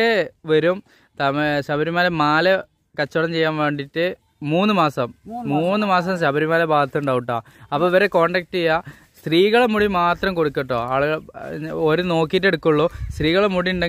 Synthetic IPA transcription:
eʋɐɾum | t̪ɐmɕɐbʱɐɾimaːlemaːlɐ | kɐt͡ɕːoɽɐmt͡ɕe̞jːaːnʋe̞ːɳɖitːɨ | muːnːɨmaːsɐmːuːnːɨmaːs̬ɐmɕɐbɐɾimaːlebaːd̪ɐt̪ːuɳɖaːʋuʈːa̰ː | ɐpːoːʋɐɾeko̞ːɳɖɐk̚ʈija | st̪riːɣɐɭemuɽimaːt̪rɐmko̞ɽukːɐʈːoːaːɭɣɐɭoɾuno̞ːkːit̬ːe̞ɽukːuɭːoːst̪riːɣɐɭemuɽiuɳɖe

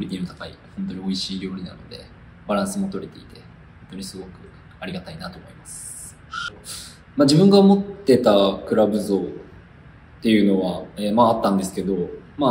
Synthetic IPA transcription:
oɾʲit̪inot̪akaḭhõ̞nt̪o̞ɲ̟io̞iɕiːɾʲo̞ːɾʲina̰no̞d̪e̞̰ | b̥aɾãɰ̃sɨmo̞t̪o̞ɾe̞t̪e̞it̪e̞ | hho̞nt̪oɲ̟isɨɡo̞kɯ̟ | aɾʲiɡat̪ainat̪oːmo̞imasɨ̥ | maʑibɯ̟̃ŋɡaomo̞t̪ːe̞t̪akɯ̟ɾabɯ̟zo̞ː | t̪ːe̞jɯ̟no̞βaemaːt̪ːãnd̪e̞sɨ̥ke̞d̪o̞ma

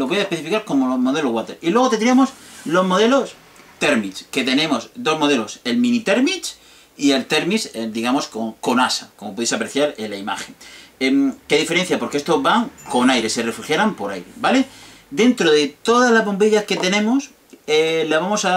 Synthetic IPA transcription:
loβo̞jaespeθifikaɾko̞mo̞lo̞zmo̞ðe̞loɣwat̪e̞ɾilwe̞ɣt̪end̪ɾiamo̞slo̞zmo̞ðe̞lo̞s | t̪e̞ɾmit͡ʃke̞t̪e̞nẽ̞mo̞zd̪o̞zmo̞ðe̞lo̞se̞lmĩnit̪e̞ɾmit͡ʃ | ielt̪e̞ɾmised̪iɣamo̞skoŋko̞nasakomop̬oesapɾeθjaɾelaima̰xe̞ŋemke̞ðife̞ɾe̞n̟θjapo̞ɾkeest̪o̞βaŋkonajɾe̞se̞refuxjaɾampo̞ɾa̰jɾe̞̰bale̞ | d̪e̞nt̪ɾoðe̞t̪o̞ðazlazβo̞mpiʎaske̞t̪e̞nẽ̞mos | elaβamo̞sa

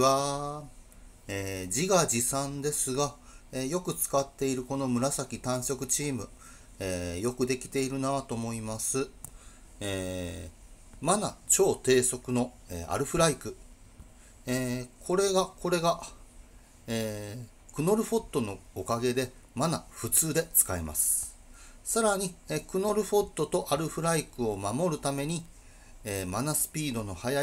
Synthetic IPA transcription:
a | eːd͡ʑiɡaʑisãnd̪e̞sɨɡa | eːjo̞kɯ̟t͡sɨ̥kat̪ːe̞iɾɯ̟ko̞no̞mɯ̟ɾasakʲit̪ãɰ̃ɕo̞kɯ̟t͡ɕiːmɯ̟ | eːjo̞kɯ̟d̪e̞kʲi̥t̪e̞iɾɯ̟naβat̪o̞ːmo̞imasɨ | eː | manat͡ɕo̞ːt̪e̞ːso̞kɯ̟no̞ | eːa̰ɾɯ̟ɸɯ̟ɾaikɯ̟ | eːkʰo̞ɾe̞ɡako̞ɾe̞ɡa | eː | kɯ̟no̞ɾɯ̟ɸo̞t̪ːo̞no̞ːkaɡe̞d̪e̞ | manaɸɯ̟t͡sɨːd̪e̞t͡sɨ̥kaima̰sɨ̥ | saɾaɲ̟iekɯ̟no̞ɾɯ̟ɸo̞t̪ːo̞t̪o̞ʔaɾɯ̟ɸɯ̟ɾaikɯ̟o̞mamo̞ɾɯ̟t̪ame̞ɲ̟i | eːmanasɨ̥pʲiːd̪o̞no̞haja

